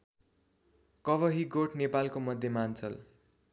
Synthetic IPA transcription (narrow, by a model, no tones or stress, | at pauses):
kʌbʌɦiɡoʈnepalkomʌd̪ʱːjemant͡sʌl